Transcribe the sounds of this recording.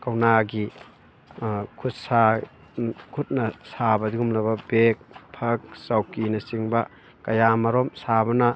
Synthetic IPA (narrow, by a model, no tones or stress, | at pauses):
kɐwnaɡi | kʰut̚sa | kʰut̚nɐsabɐdiumlɐbɐbek̚pʰɐk̚sawkinɐsiŋbɐ | kɐjamɐɾomsabɐnɐ